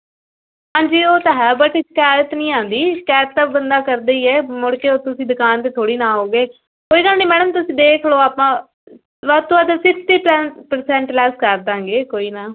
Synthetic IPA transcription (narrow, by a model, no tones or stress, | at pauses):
ɦãːɲd͡ʒiːoːt̪aːɦɛːbəʈɪskaːjət̪nĩːãːnd̪iːskaːjət̪t̪ːaːbənd̪aːkəɾd̪eiːɛːmʊɽkeːoːt̪ʊsĩːd̪ʊkaːnt̪eːt̪ʰoːɽiːnãːɦoːɡeː | koːiːɡəlniːmɛːɽ̃əmt̪ʊsĩːd̪eːkʰloːaːpãː | ʋat̪õːaːt̪əsɪpsʈ̪iːpːpəɾsɛ̃ːɳʈlɛːskəɾd̪ãːŋɡeːkoːiːnaː